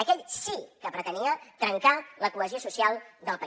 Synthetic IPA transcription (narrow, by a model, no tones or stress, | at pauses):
əkɛʎsikəpɾət̪əniət̪ɾəŋkaləkuəziosusialˠd̪əlˠpə